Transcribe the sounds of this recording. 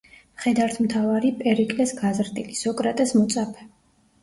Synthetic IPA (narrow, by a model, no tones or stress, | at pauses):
χɛd̪aɾt̪ʰmt̪ʰavaɾipʼɛɾikʼlɛsɡazɾd̪ʼilisɔkʼɾat̪ʼɛsmɔt̪sʼapʰɛ̥